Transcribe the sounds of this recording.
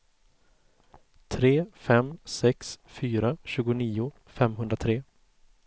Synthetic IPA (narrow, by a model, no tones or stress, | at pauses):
t̪ʰɾeːfɛmsɛksfyːɾaɕʉ̟ːɡʊniːʊ | fɛmɦɵnd̪ɾat̪ʰɾeː